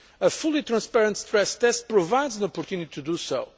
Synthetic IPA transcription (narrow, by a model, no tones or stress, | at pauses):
əfulˠit̪ɾɐ̃spɛɾə̃nt̪st̪ɾɛst̪ɛst̪̚pɾovajd̪zə̃nɔpɔɾt̪junit̪it̪ud̪uso